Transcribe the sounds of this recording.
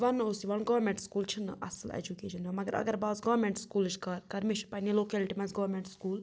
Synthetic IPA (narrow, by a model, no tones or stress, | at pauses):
ʋɐnosiʋɐnɡɐʋɾmẽɳʈskuːlt͡ʃʰinʔɐ̰səlḛd͡ʒukḛːʃɐnɐmɐɡəɾɐ̰ɡəɾbaːzɡɐːʋɾmeɳʈskuːlt͡ʃʰkɐɾkɐɾmiʃpɐniloːkɛliʈimɐ̃nsɡɐʋɾmẽɳʈskuːl